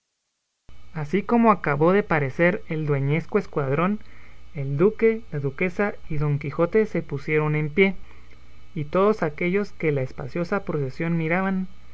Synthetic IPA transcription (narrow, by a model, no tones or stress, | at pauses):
asiko̞mo̞akaβo̞ðe̞paɾe̞se̞ɾe̞ld̪we̞ɲe̞skoeskwað̞ɾo̞ne̞ld̪uke̞laðuke̞saiðo̞ŋkixo̞t̪e̞se̞pusje̞ɾo̞ne̞mpje̞ | it̪o̞ðo̞sake̞ʝo̞ske̞laespa̰sjo̞sapɾo̞sesjo̞nmiɾaβan